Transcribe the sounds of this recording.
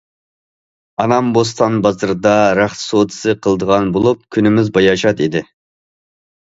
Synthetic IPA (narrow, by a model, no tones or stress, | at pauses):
ɑnɑmbos̬t̪ʰɑnbɑzɨɾɨd̪ɑɾæχt̪sot̪ɨ̥sɨqʰəlˠd̪əʁɑnbolˠup̚kʲʰynɪmɪzbɑjɑʃɑt̪id̪ɪ